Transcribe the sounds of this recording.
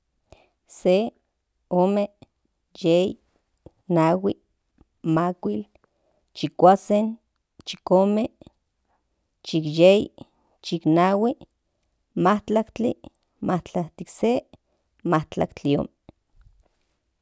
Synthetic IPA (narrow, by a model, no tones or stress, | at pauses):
se | oːme | jei | nawi | makʷil | t͡ʃikʷasen | t͡ʃikoːme | t͡ʃikjej | t͡ʃiknawi | maht͡ɬakt͡ɬḭ | maht͡ɬaht̪ikse | maht͡ɬa̰kt͡ɬio̰ːme